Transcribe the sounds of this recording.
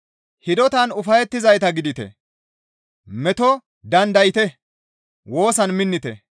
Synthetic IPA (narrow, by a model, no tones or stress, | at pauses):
hɪd̪ɔt̪ɐnʊfɐjɛt̪ːɪzɐjt̪ɐɡɪd̪ɪt̪ɛ̰ | mɛt̪ɔ | d̪ɐnd̪ɐjɪt̪ɛ | wo̞ːsɐnmɪnːɪt̪ɛ̰